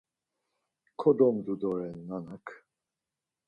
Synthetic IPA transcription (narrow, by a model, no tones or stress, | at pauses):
kʰɔd̪ɔmd̪ud̪ɔɾɛnːanakʰ